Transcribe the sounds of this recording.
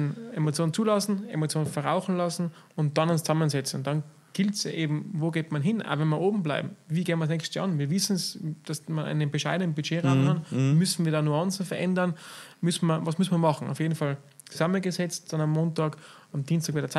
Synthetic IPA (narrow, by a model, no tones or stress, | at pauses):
nemot͡sjoːnənt͡suːlɑsn̩ḛmot͡sjoːnnfɛɐʁaʊxn̩lɑsn̩ʊnt̚d̥ɑnʊnst͡sɑmənzɛt͡sn̩d̥ɑn | ɡ̥ɪltsʔeːbm̩voːɡeːtmanɦɪnʔa̰ʊvɛnmiːɐʔoːbm̩bla̰ɪbm̩viːɡeːmɐsnɛçstəɑ̰nviːɐvɪsn̩sd̥asmanʔa̰ɪnənbɪʃaɪdənənbyt͡ʃeːʁaʊmkɑnmʏsn̩viːɐdɑːnuɑnsn̩fɛɐʔɛndɐnmʏsn̩mɐvɑsmʏsn̩mɐmɑχn̩a̰ʊfjeːdn̩fɑl | t͡suz̥amənɡəzɛt͡st̚d̥ɑnamːoːntɑːkamd̥iːnstɑːkvadɐt͡s